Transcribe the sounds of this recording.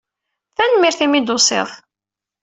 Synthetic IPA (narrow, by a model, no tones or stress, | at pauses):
θænmiɾθimid̪ʊsˤɪ̰ð